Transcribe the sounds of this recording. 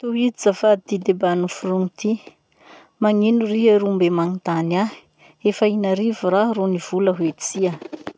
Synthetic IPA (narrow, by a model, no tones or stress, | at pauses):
t̪uwid̪izafad̪id̪ebanufuɾuŋit̪i | maŋinuriɦaɾumbemaŋit̪anḁ | efainaɾivuraroniv̥uləɦwet͡siə